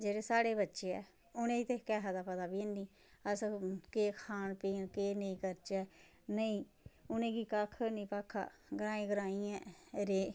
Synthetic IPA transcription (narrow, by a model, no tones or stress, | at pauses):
d͡ʒeːɽeːsaːɽeːbətːʃeːɛ̰ː | ʊnẽːt̪eːkɛːɦad̪aːpəd̪aːbiniː | əskeːkʰaːnpiːnkeːnəĩːkəɾt͡ʃɛː | nəĩː | ʊnẽːɡiːkaːkʰənĩːpaːkʰːa̰ːɡəɾaːĩːɡəɾaːiːɛ̃ːɾeː